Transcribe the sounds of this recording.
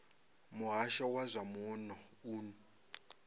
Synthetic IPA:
mʊɦaʃɔwazʷamunɔ | uːnu

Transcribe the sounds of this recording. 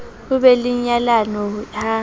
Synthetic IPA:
uβɛliɲalanɔa

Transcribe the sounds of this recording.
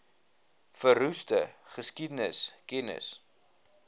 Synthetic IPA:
fərustəχəskidənəskɛnə̰s

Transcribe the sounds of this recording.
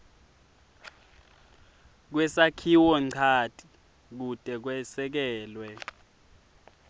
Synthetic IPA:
k̬wɛsakʰiwɔǀʰatʼi | k̬utʼɛk̬wɛsɛk̬ɛːlwɛ

